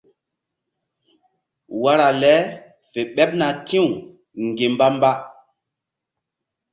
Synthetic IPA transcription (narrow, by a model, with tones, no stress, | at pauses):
wa˦ɾa˨lɛ˦ | fe˨ɓɛ˦p̚na˨tĩ˦u˨ | ŋɡe˨mba˦mba˦